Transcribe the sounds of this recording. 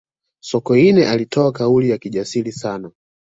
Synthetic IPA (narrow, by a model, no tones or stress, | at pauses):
sɔkɔinɛʔalitʰɔakaulijakiʄasilisana